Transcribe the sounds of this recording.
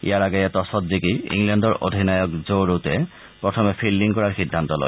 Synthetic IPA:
ḭjaɹaɡɛjɛt̪ɔsɔtzikiḭŋlɛndɔɹo̰dʱinajɔkzoɹutɛ | pɹɔtʰɔmɛpʰilːiŋkɔɹaɹxidʱːant̪ɔlɔ̰j

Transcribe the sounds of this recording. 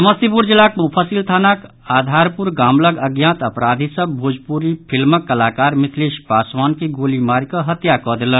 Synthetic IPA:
sməst̪ipuɾd͡ʒilakupʰəsilt̪ʰaːnak | aːd̪ʱaːɾpuɾɡaːmləɡəɡjãt̪əpɾaːd̪ʱisəbbʱud͡ʒpuɾipʰilməkːəlaːkaːɾmɪt̪ʰliʃpaːswaːnkiɡoːlimaɾkəɦət̪jakɔd̪elən

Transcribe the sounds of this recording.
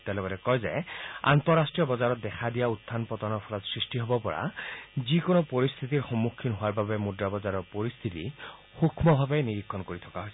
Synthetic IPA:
t̪ɛlebɔɾɛkɔjzea̰nt̪ɔɾasʈɹiɔbɔzaɾɔt̪̚d̪ɛkʰad̪ijaut̪ʰːanpɔt̪ɔnɔpʰɔlɔt̪sɹisʈiɦobɔpɔɹa̰zikonɔpɔɾist̪ʰit̪iɾxɔmːukʰːinɦoaɾbabemudɾabɔzaɾɔɾpɔɾist̪ʰit̪ḭ | xukʰmɔbʱabeniɾikʰːɔnkoɾit̪ʰɔ̥kaɦojsʰ

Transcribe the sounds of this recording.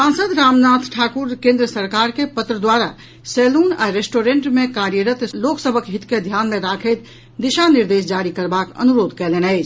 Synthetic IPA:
sãnsəd̪ɾamnat̪ʰʈʰakuɾkẽnd̪ɾəsəɾkaɾkepət̪ɾəd̪waɾa | seluna̰ɾesʈoɾẽɳʈmekaɾjəɾət̪loksəbʱəkɦit̪ked̪ʱjanmẽɾakʰəɪt̪ | d̪iʃaniɾd̪es̬d͡ʒaɾikəɾbakə̰nuɾoːd̪ʱkɛlenəɪt͡ʃʰ

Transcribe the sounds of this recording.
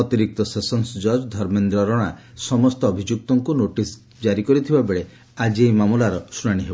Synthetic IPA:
ɔt̪iɾik̚t̪ɔsesɔnsd͡ʒɔd͡ʒd̪ʱɔɾmend̪ɾɔɾɔɽ̃a | sɔmɔst̪ɔːbʱid͡ʒuk̚t̪ɔŋkunoʈis | d͡ʒaɾikɔɾit̪ʰibabeɭe | ad͡ʒiejmamulaɾɔsuɽaɽ̃iɦebɔ

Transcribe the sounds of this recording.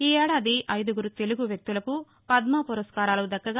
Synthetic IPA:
iːɛːɽaːd̪iʔɐjd̪uɡuɾut̪e̞luɡuʋjɐk̚t̪ulɐku | pɐd̪mɐpuɾɐskaːɾaːlud̪ɐkːɐɡa

